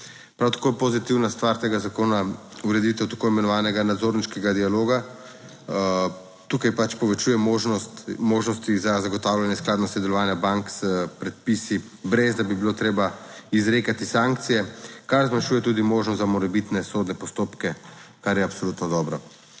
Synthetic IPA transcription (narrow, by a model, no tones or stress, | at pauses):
pɾawt̪ḁkoːjpozit̪iwnast̪ʋaɾt̪eːɡazakoːnauɾɛd̪it̪ɛwt̪ḁkoimɛnɔʋaːnɛɡanad̪zoɾniʃkɛɡad̪ialoːɡa | t̪ukajpat͡ʃpɔʋɛt͡ʃujɛoʒnɔst̪moːʒnɔst̪izazaɡɔt̪awljanjɛsklaːd̪nɔsɛd̪ɛlɔʋaːnjabaŋkspɾɛt̪̚pisi | bɾezd̪abibilot̪ɾeːbaizɾeːkat̪isaŋk̚t̪sijɛkaɾzmanʃuːjɛt̪uːd̪imoːʒnɔst̪zamɔɾɛbit̪nɛsod̪nɛpɔst̪oːpkɛkaɾjɛapsolut̪nɔd̪ɔːbɾa